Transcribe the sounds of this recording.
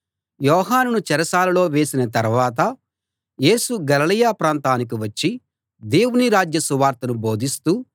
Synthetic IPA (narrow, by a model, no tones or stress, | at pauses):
jɔːɦaːnunut͡ʃɛɾɐsaːlɐlo̞ːʋe̞ːsinɐt̪ɐɾʋaːt̪̬ɐ | je̞ːsuɡɐlɐlijaːpɾaːnt̪aːnik̬iʋɐt͡ʃːi | d̪e̞ːwuniɾaːd͡ʒjɐsuʋaːɾt̪ɐnubo̞ːd̪ist̪uː